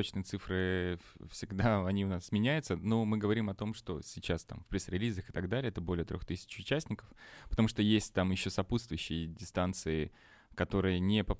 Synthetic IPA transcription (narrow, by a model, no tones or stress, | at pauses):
ot͡ɕnɨjət̪sɨfɾɨfsʲɪɡd̪aɐnʲiʊnasmʲɪnʲæjʊt̪səno̞mɨɡəvɐɾʲimɐt̪o̞mʂt̪o̞̰sʲɪt͡ɕast̪a̰mfpɾʲɪsɾʲɪlʲizəxɨ̥t̪ɐɡd̪alʲɪɛt̪əbo̞lʲɪjət̪ɾʲoxt̪ɨsʲɪ̥t͡ɕʊt͡ɕːæsʲnʲɪkəfpət̪ɐmuʂt̪o̞jesʲtʲt̪amjɪɕːo̞sɐput̪st̪vʊjʉɕːɪjədʲɪst̪ant̪sɨɪ | kɐt̪o̞ɾɨjənʲɪpə